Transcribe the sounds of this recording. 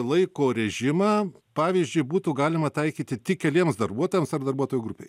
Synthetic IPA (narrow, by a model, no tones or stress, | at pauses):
lˠɐɪkoːɾʲɛʒʲɪmɑːpɑːʋʲiːzʲd͡ʒʲʊɪbuːt̪uːɡɑːlʲɪmɐt̪ɐɪkʲiːt̪ʲɪt̪ʲɪkʲɛlʲiɛmsd̪ɐrbuɔt̪oːjɛmsɐrd̪ɐrbuɔt̪oːjʊɡɾʊpʲḛɪ